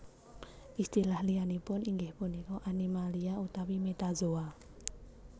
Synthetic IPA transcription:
ʔist̪ilahlijanipʊniŋɡɪhpʊnikɔʔanimaliaut̪awimet̪azoa

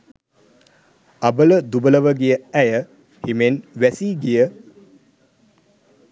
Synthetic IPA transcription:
abələd̪ubələʋəɡijəæjə | himenʋæsiːɡijə

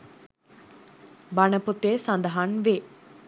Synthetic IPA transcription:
banəput̪eːsand̪ɐɦanʋe

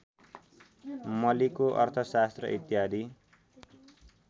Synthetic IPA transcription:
mʌlikoʔʌ̰rt̪ʰʌsast̪rʌ̰ʔit̪jad̪ʱi

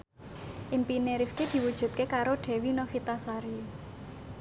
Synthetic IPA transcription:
ʔɪmpineɾifked̪̥i̤wud̥ʒ̥ṳt̪̚kekaɾoɖ̪̥e̤winɔfit̪asaɾi

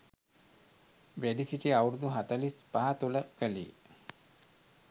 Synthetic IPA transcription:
ʋæɖisiʈiawɾud̪uɦat̪əlispaɦat̪uləkəlḭ

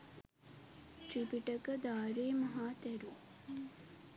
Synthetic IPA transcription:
t͡ʃipiʈəkəd̪aːɾeːmɐɦaːt̪ɛɾu

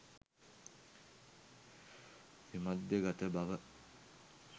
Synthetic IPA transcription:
simad̪jəɡat̪əbaʋə

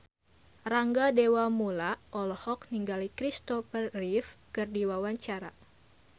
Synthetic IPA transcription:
raŋɡadewamulaɔlɔhɔk̚niŋɡalikɾist̪ɔfərrifkɨrdiwawaɲt͡ʃaɾa̰

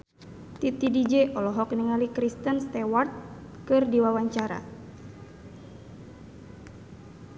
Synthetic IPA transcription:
t̪it̪idid͡ʒeʔɔlɔɦɔkniŋalikɾist̪ənst̪ɛwart̪̚ | kɨrdiwawaɲt͡ʃaɾa̰

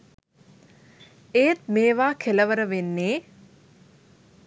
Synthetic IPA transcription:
ejt̪̚meːʋaːkʰeləʋəɾəʋenːeː

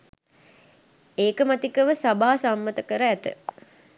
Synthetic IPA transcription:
eːkəmat̪ikəʋəsabaɦasamːət̪əkəɾəæt̪ə̰

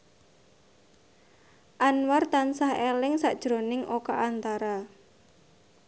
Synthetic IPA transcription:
ʔanwart̪ansahelɪŋsa̰ʔd̥ʒ̥ɾonɪŋʔokaʔant̪aɾa

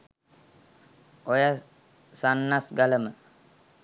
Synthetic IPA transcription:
ojə | sanːasɡaləmə

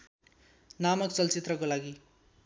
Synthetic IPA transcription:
namʌkt͡sʌlt͡sit̪rʌkolaɡi

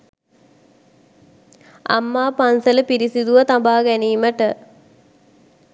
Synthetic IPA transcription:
a̰mːaːpansələpiɾisid̪uʋɐt̪ambaːɡæniːməʈə

